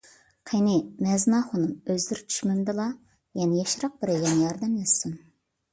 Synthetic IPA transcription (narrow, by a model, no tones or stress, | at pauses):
qʰenɪmɛznɑχʊnɨmøzd̪ɪɾt͡ʃʰy̥ʃmɪmd̪ɨlˠɑ | jɛnɪjɛʃɾɑq̚b̥ɪɾɛjɛnɪjɑɾd̪ɛmjɛsun